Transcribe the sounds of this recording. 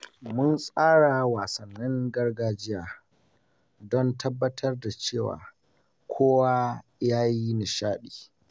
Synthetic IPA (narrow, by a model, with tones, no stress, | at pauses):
mʊ˦nsʼaː˦ɽa˨waː˨sɐ˨nːɪ˦ŋɡɐ˦rɡaː˦d͡ʒɪ˦jaː˨ | dɔ˦ntʰɐ˦bːɐ˦tʰɐ˦rda˨t͡ʃeː˦˨wa̰ː˨ | kʷʰoː˦wa˦jaː˦ji˦nɪ˨ʃaː˦ɗi̥ː˨